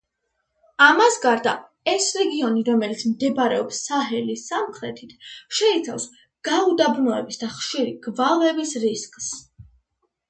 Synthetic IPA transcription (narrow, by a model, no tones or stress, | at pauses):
amasɡaɾd̪a̰ | ɛsɾɛɡiɔniɾɔmɛlit̪sʰmd̪ɛbɾɛɔpsːaɦɛlisamχɾɛt̪ʰit̪ʰʃɛit̪sʰa̰fs | ɡ̥aud̪abnɔɛbisd̪aχʃiɾiɡ̥valˠɛbisɾiskʼs